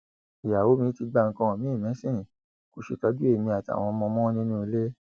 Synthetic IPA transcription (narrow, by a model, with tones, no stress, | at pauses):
i˨ja˨wo˨˦mĩ˧˦ti˧ɡ͡ba˧ŋ̩˦˧kã˧˨mĩ˦i˦˨mɛ̃˨˦sĩ˦˨ | ku˧˦ʃe˧ka˧˦du˦e˦˨mĩ˧a˨ti˨a̰˨w̃ɔ̃˧mɔ̃˧mɔ̃˦nĩ˦nũ˦i˧le˦